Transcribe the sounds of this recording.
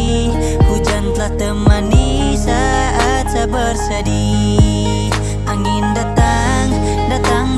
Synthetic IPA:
kud͡ʒant̪əlaht̪əmani | sa | at̪̚sabərsadi | ʔaŋindat̪a | ŋ | dat̪aŋ

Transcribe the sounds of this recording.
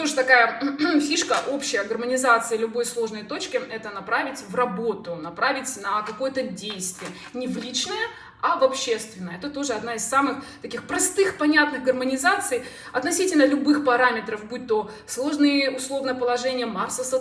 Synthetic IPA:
t̪o̞ʐɨt̪ɐkajəfʲiʂkəʔo̞pɕɪjəɡərmənʲɪzat̪sɨjəlʲʊbo̞jslˠo̞ʐnəjt̪o̞t͡ɕkʲɪɛt̪ənɐpɾavʲɪtʲvrɐbo̞t̪ʊnɐpɾavʲɪtʲnɐkɐko̞jət̪ədʲejst̪vʲɪjə | nʲɪvlʲit͡ɕnəjə | ɐvɐpɕːe̞st̪vʲɪnːəjəɛt̪ət̪o̞ʐɨɐd̪naɪssamɨxt̪ɐkʲixpɾɐst̪ɨxpɐnʲat̪nɨɣɡərmənʲɪzat̪sɨj | ɐt̪nɐsʲitʲɪlʲnəlʲʊbɨxpɐɾamʲɪt̪ɾəfbut̪ːo | slˠo̞ʐnɨjəʊslˠo̞vnɨjəpəlˠɐʐɛnʲɪjəmarsəsə

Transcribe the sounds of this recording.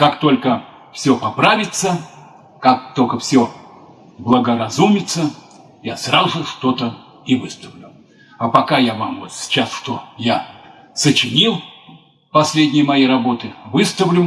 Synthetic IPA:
kakt̪o̞lʲkə | fsʲopɐpɾavʲɪt̪sə | kak̚t̪o̞lʲkəfsʲo | blˠəɡəɾɐzumʲɪt̪sə | jasrazʐɨʂt̪o̞t̪ə | ivɨst̪əvlʲʊ | apɐkajavamvot̪sʲt͡ɕasʂt̪o̞ja | sət͡ɕɪnʲilˠ | pɐsʲlʲed̪ʲnʲɪjəmɐjejrɐbo̞t̪ɨvɨst̪əvlʲʊ

